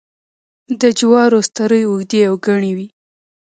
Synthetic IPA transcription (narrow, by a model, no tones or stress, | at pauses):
d̪əd͡ʒwɑɾost̪aɾəjuɣd̪eawɡaɳiwi